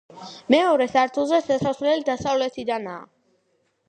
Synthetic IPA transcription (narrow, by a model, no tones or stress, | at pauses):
mɛɔɾɛsaɾt̪ʰulˠzɛsɛsaslɛlid̪asavlɛt̪ʰid̪ana̰ː